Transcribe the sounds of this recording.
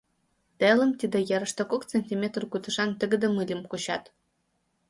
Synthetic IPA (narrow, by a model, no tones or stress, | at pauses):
t̪elə̆mt̪id̪ĕjeɾə̆ʃt̪ŏkokt͡senʲt̪ʲimʲet̪rkut̪ə̆ʂɑnt̪ə̆ɡɘ̆d̪ə̆mɯlʲimkuɕɑ̰t̪